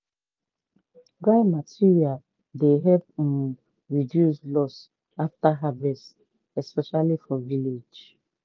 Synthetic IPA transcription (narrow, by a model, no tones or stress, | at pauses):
ɡaɪmatʰiɹia | deɦɛpũn | ɹidjuslɔs | aftaɦavɛst | ɛspɛʃalifɔviled͡ʒ